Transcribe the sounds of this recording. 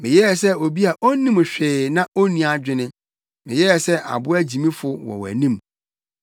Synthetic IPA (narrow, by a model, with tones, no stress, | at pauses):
mɪ̃˨jɛ˦jɛ˨sɛ˦o˨bi˦a˨ʔo˦nĩ˦m˨ɕᶣeː˨nã˦o˦nĩ˨a˨d͡ʑᶣɪ˨nɪ̃˦ | mɪ̃˨jɛ˦jɛ˨sɛ˦ʔa̰˨bʊ˦æ˦d͡ʑi˨mĩ˦fʊ˦wɔ̰˨wæ̰˨nĩ˦m